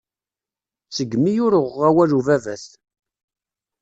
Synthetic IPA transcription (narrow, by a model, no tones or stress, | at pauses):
t͡səɡːmijʊɾəʁæwæluvævæθ